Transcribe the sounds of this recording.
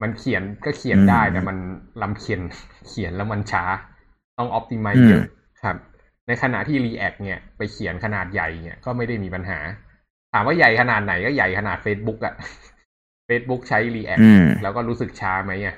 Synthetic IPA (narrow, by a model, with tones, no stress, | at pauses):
ma˧nkʰi˨˩˦nkɔː˥˩kʰi˨˩˦əndaː˥˩jt̪ɛ˧˩ma˧nla˧mkʰe˧nkʰi˨˩˦nlɛː˦˥wma˧nt͡ɕʰaː˦˥ | t̪ɔ˥˩ŋʔɔ˦˥p̚t̪iː˧ma˧jɤ˦ | kʰa˦˥˩p̚ | na˧jkʰa˧na̰˨˩ʔt̪ʰiː˥˩ɾiː˧ʔɛ˨˩k̚ni˧˩ɐpa˧jkʰi˨˩˦nkʰa˧naː˨˩t̪̚ja˨˩jni˦˧˩ɐkɔː˥˩ma˥˩jda˥˩jmiː˧pa˧nɦa̰ː˩˦ | t̪ʰaː˩˦mwaː˥˩ja˨˩jkʰa˧naː˨˩t̪̚na˩˦jkɔː˥˩ja˨˩jkʰa˧naː˨˩t̪̚feː˦˥t̪̚bu˦˥k̚ʔa˨˩ʔ | feː˦˥t̪̚bu˦˥k̚t͡ɕʰa˦˥jliː˧ʔɛ̰˨˩lɛː˦˥wkɔː˥˩ɾuː˦˥sɯ˨˩k̚t͡ɕʰaː˦˥ma˦˥jʔa˧˩ʔ